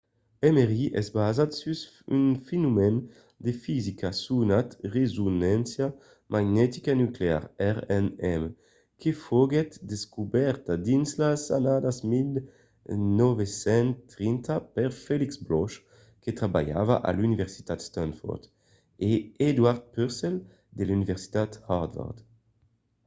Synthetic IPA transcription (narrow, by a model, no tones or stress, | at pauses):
ɛmeʁiʔɛ̰zbazat̪syz | ynfenumɛn | d̪efizikʰasunat̪ʁezunɛnsja | mʔaɡnɛt̪i̥kanyklea̰ʁɛʁɛnɛm | kʰefoɡɛt̪d̪eskubɛʁt̪ad̪inslasa̰nad̪azmil | nɔvesɛnt̪ʁint̪apɛʁfeliksblɔʃ | ket̪ʁabaja̰va̰ʔa̰lynivɛʁsi̥t̪at̪st̪ãnfɔ̰ʁt̪ | eed̪waʁt̪̚pyʁsɛl | d̪elynivɛʁsi̥t̪at̪haʁd̪vɔ̰ʁd̪